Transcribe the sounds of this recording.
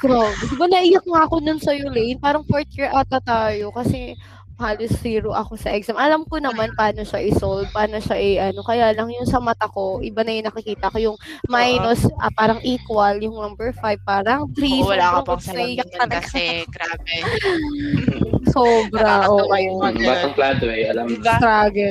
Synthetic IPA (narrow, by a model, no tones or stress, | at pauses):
ɡɾawd̪sɪbanɐʔɪjɐk̚ŋaɐko̞nʊnsɐjʊlɛjnpaːɾɐŋfoɹt̪iɹʔɐt̪at̪aːjo̞kɐsɛ | haːlosːiːɾoʔɐko̞sɐʔɛksamʔɐlamkonɐmanpaːno̞ʃaʔɪsold̪̚paːno̞ʃaʔɪʔɐno̞kɐjaːlɐŋjʊŋsɐmɐt̪ako̞ʔɪbanɐjʊnɐkɪkiːt̪ɐʔɐko̞jʊŋmajnosʔɐ̰paːɾɐŋʔiːkwɐljʊŋnɐmbɛɹfajv̚paːɾɐŋt̪ɾisɐlaɐŋsɐɡɐɐnɐɡabɛ | soːbɾɐʔoʔɐjobaɐŋplaːt̪oɛʔɐlamt̪ɾaːɡɛt̪